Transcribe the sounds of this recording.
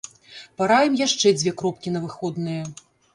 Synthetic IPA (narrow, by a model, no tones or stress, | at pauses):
paɾajɛmjaʂt͡ʂɛd͡zʲvʲeɛkɾɔp̚kʲinɐvɨxɔd̪nɨjɐ